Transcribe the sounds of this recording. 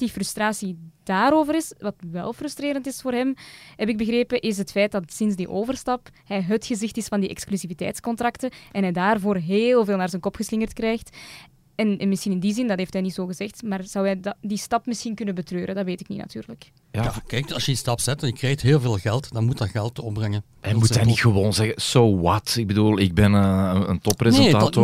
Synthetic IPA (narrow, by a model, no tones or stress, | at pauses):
d̥ifrʏstraːsid̥aːɾoːvəɾɪsʋɑtʋɛ̰lˠfrʏstreːɾəntɪsfoːrɦɛmhɛpɪɡ̚bəɣreːpəʔɪs̬ɦətfɛjt̚dɑtsɪnzdiʔoːvərstɑphɛjɦətxəzɪxtɪsfɑndiʔɛ̰ksklyzivitɛ̰ːjtskɔntrɑktəʔɛnɦɛjdaːrvoːrɦeːlˠveːlˠnaːrzɛnkɔpxəslɪŋərtkrɛːjxt | ɛnmɪsxinɪndizɪndɑtɦeːftɦɛjnitsoːɣəzɛxtmaːrz̥ɑwɦɛjddistɑpmɪsxinkʏnəbətrøːɾədɑtʋeːtɪknḭnɑ̰tyːrləkː | jakɛjk̚ɑlˠsjədistɑpz̥ɛtɛnjəkreːxtɦeːlˠveːlˠɣɛlˠtdɑnmutɑɣɛlˠtɔpbrɛŋən | ɛmuɛnixəwoːnzɛɣəsoːwɑtɪɡ̚bədulˠɪɡ̚bɛnəə̰ntɔprenetaːt